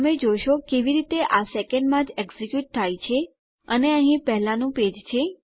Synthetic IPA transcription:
əmed͡ʒojʃokeʋiɾit̪eʔasɛkəɳɖmãd͡ʒɛɡzikjuʈ̚t̪ʰajt͡ʃʰe | əneəɦĩpəɦlãnũped͡ʒt͡ʃʰe

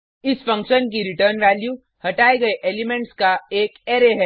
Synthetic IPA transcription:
ɪsfɐ̃ŋkʃənkiɾɪʈəːɾnʋæːlju | hɐʈaːeɡɐeʔeːlɪmẽɳʈskaeːkeːɾeɦɛː

